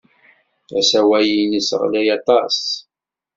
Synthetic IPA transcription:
æsæwæjinəsʁlæjɑt̪ˤɑs

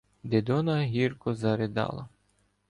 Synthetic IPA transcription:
d̪ed̪ɔnɐɦʲirkɔzɐɾɪd̪ɑ̰lˠɐ̰

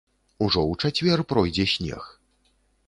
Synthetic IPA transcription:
uʐɔwt͡ʂat͡sʲvʲɛrpɾɔjd͡zʲɛsʲnʲɛ̰x

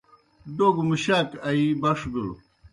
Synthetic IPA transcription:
d̪oːɡmuɕaːkɐibɐʂbul

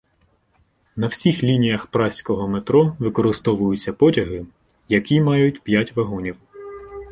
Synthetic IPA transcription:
nɐwsʲixlʲinʲijɐxpɾɑsʲkɔɦɔmet̪ɾɔʋɪkɔɾɪst̪ɔʋʊjʊt͡sʲːɐpɔtʲɐɦɪ | jɐkʲimɑjʊtʲpʲjatʲʋɐɦɔnʲiw

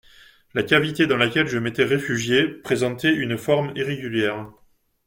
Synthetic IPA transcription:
lakʲavit̪ed̪ɑ̃lakʲɛlʒəmet̪ɛʁefyʒjepχezɑ̃t̪ɛynfɔʁmiʁeɡʲyljɛːʁ

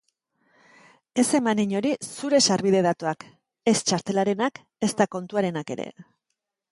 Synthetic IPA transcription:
e̞se̞maniɲo̞ɾisuɾe̞saɾβiðe̞ð̞at̪uak | e̞st͡ʃaɾt̪e̞laɾe̞nak | e̞st̪ako̞nt̪uaɾe̞nake̞̰ɾe̞̰

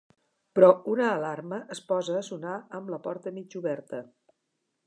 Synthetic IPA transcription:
pɾɔunəːlarməʔəspɔzəːsunaəmbləpɔɾt̪əmid͡ʒuβɛɾt̪ə

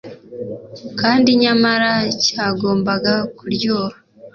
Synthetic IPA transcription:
kaːndiɲamaɾacaːɡo̞ːmbaɡakuɾjoa

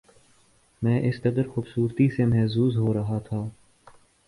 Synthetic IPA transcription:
mɛ̃ːʔɪskɐd̪əɾxʊːbsuːɾt̪isemɛːɦzuːzɦoɾɐɦat̪ʰaː

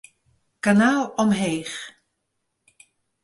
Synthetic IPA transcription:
kanaːlˠɔmɦejχ

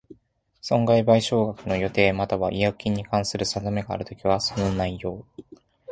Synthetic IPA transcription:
sõ̞ŋɡaibaiɕo̞ːɡakɯ̟no̞jo̞t̪e̞ːmat̪aβaʔijakʲĩɲ̟ːikãɰ̃sɨɾɯ̟sad̪ome̞ɡa̰ːɾɯ̟t̪o̞kʲiβaso̞no̞naijo̞ː

